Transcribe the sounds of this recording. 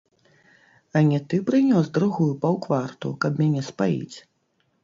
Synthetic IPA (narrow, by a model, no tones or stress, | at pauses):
ɐnʲɛt̪ɨpɾɨnʲɔzd̪ɾuɣujupɐwkvart̪ṵkɐbmʲanʲɛspajḭt͡sʲ